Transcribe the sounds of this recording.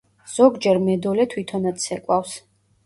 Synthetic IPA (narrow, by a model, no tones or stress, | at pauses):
z̥ɔɡd͡ʒɛɾmɛd̪ɔlɛt̪ʰwit̪ʰɔnat̪sʰɛkʼwafs